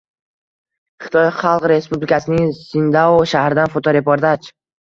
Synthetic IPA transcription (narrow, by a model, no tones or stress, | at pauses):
χɪ̥t̪ʰɒjχɑlˠqɾe̞spublɪkʲʰasɪnɪŋsɪnd̪aoʃahɾɪd̪anfot̪ʰoɾepɒɾd̪at͡ʃ